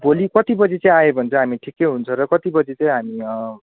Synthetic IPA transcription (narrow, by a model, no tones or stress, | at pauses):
bolikʌt̪ibʌd͡zit͡sʌ̃ĩajebʱʌnt͡sʰʌɦamiʈʰikːejɦunt͡sʰʌɾʌkʌt̪ibʌd͡zit͡sʌ̃ĩɦamiʌ